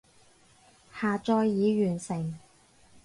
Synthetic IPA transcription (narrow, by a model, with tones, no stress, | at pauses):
haː˨t͡sɔː˧jːiː˨˧ɥyː˨˩nsɪ˨˩ŋ